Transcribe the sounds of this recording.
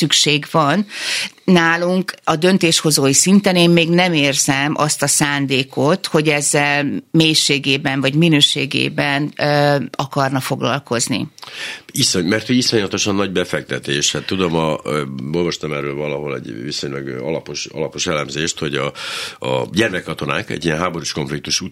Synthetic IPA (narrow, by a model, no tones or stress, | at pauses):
ykʃeːɡʋɒnː | aːluŋkɒd̪ø̞nt̪eːʃho̞zoːjisint̪ɛneːmmeːɡnɛmeːrzɛmʔɒst̪ɒsaːnd̪eːko̞t̪ho̞ɟɛzːɛlmeːjʃeːɡeːbɛɱvɒɟminøːʃḛːɡḛːbɛn | ɒkɒrnɒfo̞ɡlɒ̰lko̞znḭ | isomɛrt̪hoisoɲlɒt̪o̞ʃɒnːɒɟbɛfɛk̚t̪ɛt̪eːʃthat̪ːud̪o̞mɒo̞lvɒʃt̪ɒmɛrːøːlvɒlɒɦo̞lɛ̰ɟviso̞ɲlɒɡɒlɒpoʃɒ̰lɒpo̞ʃɛlɛmzeːʃt̪ho̞ɟɒɒ̰ɟɛrmɛkːɒt̪o̞na̰ːkɛ̰ɟːijɛnɦaːbo̞ɾuʃko̞ɱflik̚t̪uʃu